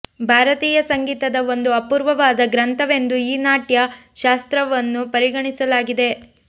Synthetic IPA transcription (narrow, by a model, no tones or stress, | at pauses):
bʱaːɾɐt̪iːjɐsɐŋɡiːt̪ɐd̪ɐo̞nd̪uɐpuːɾʋɐʋaːd̪ɐɡɾɐnt̪ʰɐʋe̞nd̪uiːnaːʈjɐʃaːst̪ɾɐʋɐnːupɐɾiɡɐɳisɐlaːɡid̪e̞